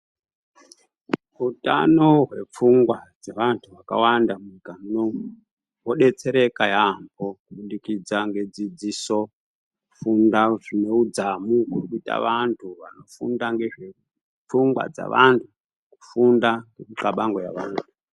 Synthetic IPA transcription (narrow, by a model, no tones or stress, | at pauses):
uta̰no̞ɦwe̞̰p͡fuŋɡwad͡zeʋantʰuʋaka̰wandamuɲikamuno̞mu | woɗe̞t͡se̞ɾe̞kajambo̞kuɓundikid͡zaŋɡe̞d͡zid͡ziso̞ | kfundaʐine̞ud͡zamukerkuita̰ʋantʰuʋa̰no̞fṵndaŋɡeʐe | p͡fuŋɡwa̰d͡za̰ʋantʰu | ku̥fundaŋɡemukaɓaŋɡoja̰ʋaːntʰu